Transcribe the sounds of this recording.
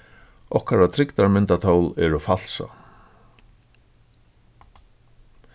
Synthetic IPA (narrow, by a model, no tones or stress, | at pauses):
ɔhkaɾat̪ʰɾɪkt̪aɾmɪnt̪at̪ʰoːwlɛɾʏfal̥sa̰